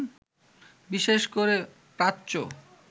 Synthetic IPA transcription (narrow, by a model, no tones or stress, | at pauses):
biʃeʃkoɾe | pɾatːɕo